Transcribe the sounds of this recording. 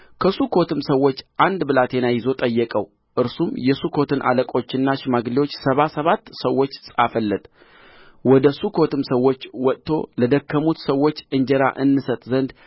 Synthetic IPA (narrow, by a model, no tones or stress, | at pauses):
kʰəsukʰo̞t̪ɨmsəwːo̞t͡ʃːʔand̪bɨlat̪ɛnajɪzo̞t̪ʼəjːɛkʼəw | ʔɨɾsumjɛsukʰo̞t̪ʰɨnʔa̰ləkʼo̞t͡ʃːɪnːaʃɪmaɡliwo̞t͡ʃːsəβasəβat̪ːsəwːo̞t͡ʃːsʼafəlːɨt̪ʼ | wɔd̪əsukʰo̞t̪ɨmsəwːo̞t͡ʃːwɔt̪ʼt̪ʰo̞̰ləd̪əkːəmut̪səwːo̞t͡ʃːɨɲd͡ʒəɾa̰ʔɨnːɨsət̪ʼzənd̪